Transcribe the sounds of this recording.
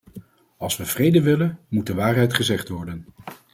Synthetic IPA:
ɑlˠsʋəv̥rejdəʋɪlənmut̚dəʋaːɹɦɛjtχəzɛχtʋɔɹdən

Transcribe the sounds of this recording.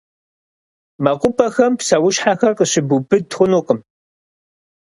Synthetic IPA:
mɐqʷʊpʼɐxɐmpsɐwʊʃħaxɐrqəɕɪbubɨtxʷʊnuːqəm

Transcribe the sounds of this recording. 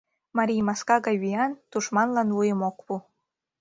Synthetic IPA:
mɑɾʲijmɑskɑɣɑjβijɑnt̪uʃmɑnlɑnlujəmokβu

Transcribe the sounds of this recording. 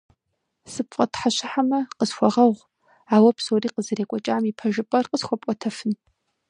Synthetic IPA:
sɨpfʼɐtħaɕɪħamɐqəsxʷɔʁɐʁʷ | aːwɐpʰsoːriːqəzɨreːkʷʼɔt͡ʃʼaːmiːpʰɐʒɪpʼɐrqəsxʷɔpʷʼɔtʰɐfɨn

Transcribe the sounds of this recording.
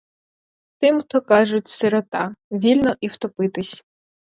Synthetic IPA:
t̪ɪmt̪ɔkɑʒʊtʲsɪɾɔt̪ɑʋʲilʲnɔʔiwt̪ɔpɪt̪ɪsʲ

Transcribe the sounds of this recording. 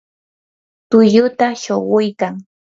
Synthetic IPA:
t̪ʊjʊt̪aʃoɢʊjkaŋ

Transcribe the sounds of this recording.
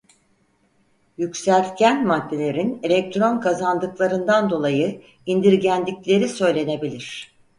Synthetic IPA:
jycsælʲt̪cʰænmad̪ːe̞lʲe̞ɾinelʲɛc̚t̪ɾo̞nkʰazand̪ɯklˠaɾɯnd̪and̪o̞lˠajɯ | ind̪iɾɟænd̪ʲicʲlʲe̞ɾisø̞jlʲe̞ne̞bilʲiɾ̝̥

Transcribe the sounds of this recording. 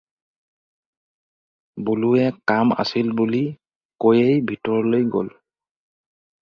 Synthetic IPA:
buluɛkama̰silbuli | kojejbʱitɔɹɔlojɡo̰l

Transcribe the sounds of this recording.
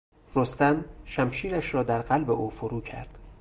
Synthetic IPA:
rost̪æmʃæmʃiːɾæʃɾɒːd̪æɾɢælbeʔuːfoɾuːcʰæ̰ɾd̪̥

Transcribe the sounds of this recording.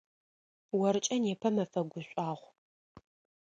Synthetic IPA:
wɐɾɨt͡ʃʼɐnjɛpʰɐmɐfɐɡʷʊɕʷʼaːʁʷ

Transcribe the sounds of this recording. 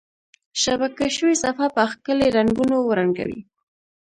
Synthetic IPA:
ʃabakaʃəwesafapəxkəleɾanɡunowɾaŋɡa̰wḭ

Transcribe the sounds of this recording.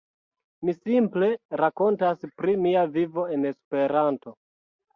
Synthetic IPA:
misimple̞ɾako̞ntaspɾimiavivo̞e̞ne̞spe̞ɾanto̞

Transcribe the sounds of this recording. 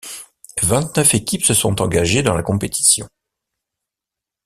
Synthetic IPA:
vɛ̃t̪nœfekʲipsəsɔ̃t̪ɑ̃ɡaʒed̪ɑ̃lakɔ̃pet̪i̥sjɔ̃

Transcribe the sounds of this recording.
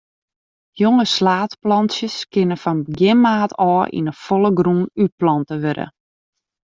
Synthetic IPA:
joŋəslaːtplɑnsjəskɪnəfɔnbɡjɪmaːtʰɔːʔḭnəfolˠəɡrunyplɔntəʋøɾə̰

